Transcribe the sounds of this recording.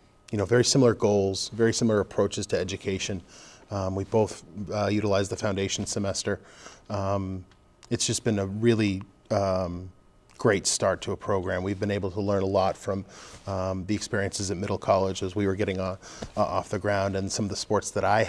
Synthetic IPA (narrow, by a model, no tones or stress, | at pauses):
jɨnoʊvɛɹisɪ̃ml̩ˠə˞ɡoʊlˠz̥vɛɹisɪ̃ml̩ˠə˞əpʰɹ̥oʊt͡ʃɨz̥tʰɨɛd͡ʒɨkʰeɪʃɨ̃n | wiboʊθjʉɾəlaɪzðəfãʊ̃ndeɪʃn̩sɨmɛstə˞ | m | ɨtsd̥ʒ̥ʌsb̥ɨ̃nəɹɪlˠi | ɡ̥ɹeɪtstɑɹtʰəːpʰɹ̥oʊɡɹæ̃mwivbɨ̃neɪbl̩ˠtʰəlɜ̃˞nəlɔtfɹʌ̃m | ðiɨkspɪɹiɨ̃nsɨzɨt̚mɪɾl̩ˠkʰɑlˠɪd͡ʒəzwiwə˞ɡɛɾɪ̃ŋ | ɔfðɨɡɹãʊ̃ndɨ̃nsʌ̃mʌvðəspɔɹtsðəɾaɪ